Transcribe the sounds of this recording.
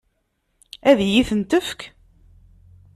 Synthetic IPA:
æðjiθənt̪əfk

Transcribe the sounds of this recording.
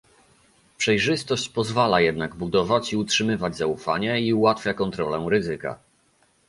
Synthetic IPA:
pʂɛjʐɘst̪ɔɕt͡ɕpɔzvalajɛd̪naɡbud̪ɔvat͡ɕiutʂɘmɘvad͡ʑzaufaɲɛiuwat̪fʲjakɔnt̪ɾɔlɛɾɘzɘka̰

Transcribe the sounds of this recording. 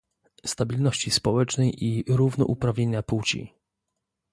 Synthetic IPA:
st̪abʲilnɔɕt͡ɕispɔwɛt͡ʂnɛjʔiɾuvnɔ̰ʔupɾavʲɲeɲaput͡ɕḭ

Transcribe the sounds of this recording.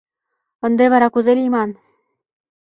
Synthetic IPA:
ɤ̆nd̪eβɑɾɑkuzelʲimɑn

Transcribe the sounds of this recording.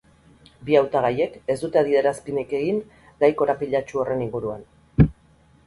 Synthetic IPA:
biawt̪aɣaje̞ke̞zd̪ut̪e̞aðie̞ɾaspineke̞ɣin | ɡ̪ajko̞ɾapiʎat͡ʃuo̞re̞niŋɡuɾua̰n

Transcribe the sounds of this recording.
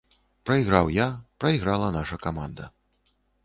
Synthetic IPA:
pɾɐiɣɾawjapɾɐiɣɾalˠɐnaʂɐkama̰nd̪ɐ̰

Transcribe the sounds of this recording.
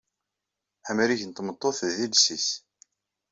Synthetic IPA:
ħamliçənt̪ːmət̪ˤːoθðilsis

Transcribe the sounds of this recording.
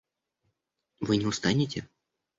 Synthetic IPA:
vɨnʲɪʊst̪anʲɪtʲɪ

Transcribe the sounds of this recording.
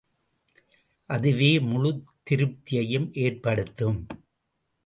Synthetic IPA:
ʔɐðɯʋeːmʊɻʊt̪ːɪɾɯp̚t̪ɪjɐjɯmʔeːrpɐɽɯt̪ːɯm

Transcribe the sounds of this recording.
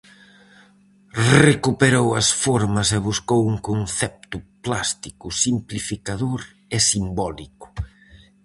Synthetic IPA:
rekupeɾowɐsfoɾmɐseβuskowuŋkonθɛp̚t̪ʊplast̪ikʊsimplifikaðoɾ | esimbɔlikʊ̥

